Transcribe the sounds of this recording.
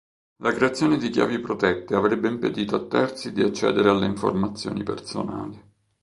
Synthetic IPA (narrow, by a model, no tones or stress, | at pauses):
lakɾeat̪sːjoːned̪ikja̰ːvipɾot̪ɛt̪ːeavɾɛbːeimped̪iːt̪oat̪ːɛrt̪sid̪iat͡ʃːɛ̰ːd̪eɾealːeiɱfo̰rmat̪sːjo̰ːnipḛrso̰na̰ːli